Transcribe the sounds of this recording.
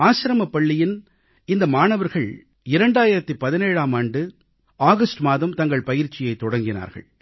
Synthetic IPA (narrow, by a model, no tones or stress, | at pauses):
aːʃɪɾɐmɐpːɐɭːɪjɪn | ɪnd̪ɐmaːnɐʋɐɾɣɐɭ | ɪɾɐɳɖaːjɪɾɐt̪ːɯpɐðɪneːɻaːmaːɳɖɯ | aːɣɐsʈmaːðɐmt̪ɐŋɡɐɭpɐjɪɾt͡ʃːɪjɐɪt̪ːɔɽɐŋɡɪna̰ːɾɣɐ̰ɭ